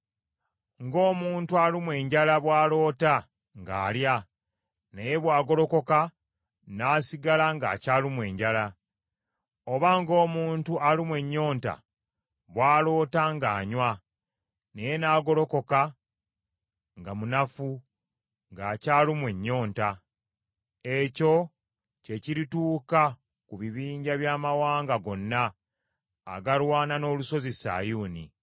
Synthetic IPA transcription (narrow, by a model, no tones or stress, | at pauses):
ŋɡo̞ːmuːntualimwe̞ːɲɟalaβwaːlo̞ːta | ŋɡa̰ːlja | ne̞je̞βwaːɡo̞lo̞ko̞ka | naːsiɡalaŋɡa̰ːcaːlimwe̞ːɲɟala | o̞βaŋɡo̞ːmuːntualimwe̞ɲːo̞ːnta̰ | βwaːlo̞ːtaŋɡaːɲwa | ne̞je̞naːɡo̞lo̞ko̞ka | ŋɡamunafu | ŋɡaːcaːlimwe̞ɲːo̞ːnta | e̞co̞ | ce̞ciɾituːka | kuβiβiːɲɟaβjaːmawaːŋɡaɡo̞nːa̰ː | ɡaɾwaːnano̞ːluso̞zisa̰ːjuːni